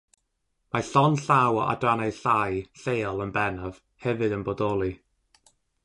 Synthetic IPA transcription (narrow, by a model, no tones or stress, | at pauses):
maɬɔnɬawa̰draneɨɬajɬeːɔlˠənbɛnɔv̥ | hɛvɨdənbodɔlˠi